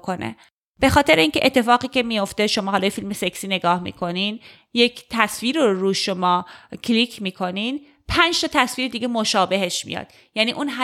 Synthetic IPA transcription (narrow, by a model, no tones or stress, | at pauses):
kʰonḛ | b̥e̞xɒːt̪ʰeɾeiːnce̞ʔet̪ʰːe̞fɒːɣiːcemijo̞ft̪e̞ʃo̞mɒːɦɒːlɒːjefilme̞seksiːne̞ɡɒːhmḭːkʰo̞nin | je̞cʰt̪ʰæsviːɾoɾuːʃomɒːcʰlikʰmiːkʰo̞nin | pʰænd͡ʒt̪ʰɒːt̪ʰæsviːɾed̪iːɡemoʃɒːbe̞ɦeʃmḭjɒ̰d̪̥ | jæniːʔunɦæ